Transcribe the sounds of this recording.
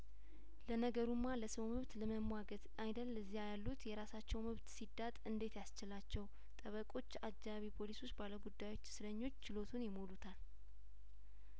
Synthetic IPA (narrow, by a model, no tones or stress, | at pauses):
lənəɡəɾumːaləsəwmɨβt̪ləməmwaɡət̪ajd̪əlːəzijajalːut̪jɛɾasat͡ʃːɛwmɨβt̪sid̪at̪ʼɨnd̪e̞t̪jast͡ʃɪlat͡ʃːɛw | t̪ʼəβəkʼo̞t͡ʃːaɡd͡ʒaβipʰo̞liso̞t͡ʃːbaləɡud̪ːajwo̞t͡ʃːsɨɾəɲːo̞t͡ʃːt͡ʃɪlo̞t̪ʰunjɪmo̞lut̪ʰal